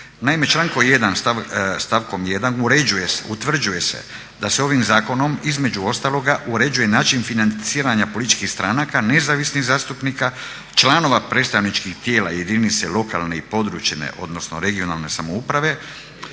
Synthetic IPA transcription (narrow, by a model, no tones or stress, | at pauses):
naime̞t͡ʃlˠaŋko̞je̞d̪ansst̪aʋko̞mje̞d̪anuɾeujesut̪ʋr̩d͡ʒuje̞se̞̰ | d̪ase̞o̞ʋimzaːko̞no̞mizme̞d͡ʒuo̞st̪alˠo̞ɡaʔuɾe̞d͡ʒuje̞naːt͡ʃinfinant̪siːɾaɲapolit̪it͡ʃkixst̪ɾʔanakane̞zaʋisniɣzaːst̪upnika | t͡ʃlano̞ʋapɾe̞t̪st̪aʋnit͡ʃkixt̪je̞ːla̰je̞d̪init̪se̞lo̞ka̰lˠne̞ipo̞d̪ɾut͡ʃenḛʔo̞̰d̪no̞sno̞ɾe̞ɡio̞nalne̞samo̞upɾaʋe̞